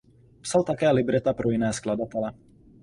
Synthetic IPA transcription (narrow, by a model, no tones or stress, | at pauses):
psalt̪akɛːlibɾɛt̪apɾuinɛːsklad̪ɔt̪ɛlɛ